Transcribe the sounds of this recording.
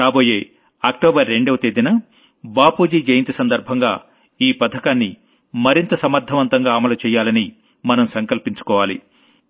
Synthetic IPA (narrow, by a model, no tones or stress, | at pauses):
ɾaːboːjeː | ɐk̚ʈoːbɐɾːe̞ɳɖeʋɐt̪eːd̪inɐ | baːpuːd͡ʒiːd͡ʒɐjɐnt̪isɐnd̪ɐɾbʱɐŋɡaː | iːpɐd̪ʱɐkaːnːi | mɐɾint̪ɐsɐmɐɾd̪ʱɐʋɐnt̪ɐŋɡaːɐmɐlut͡ʃɛːjaːlɐni | mɐnɐmsɐŋkɐlpiɲt͡ʃu̥kɔːʋaːlḭ